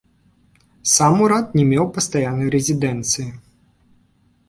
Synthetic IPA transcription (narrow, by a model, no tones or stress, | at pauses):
samuɾat̪nʲɛmʲɛwpɐst̪ajanːɐjɾɛzʲid̪ɛnt̪sɨji